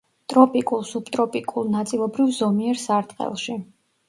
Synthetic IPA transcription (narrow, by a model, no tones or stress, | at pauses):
t̪ʼɾɔpʼikʼulˠsupt̪ʼɾɔpʼikʼulˠnat̪sʼilˠɔbɾivzɔmiɛɾsaɾt̪ʼqʼɛ̰lˠʃi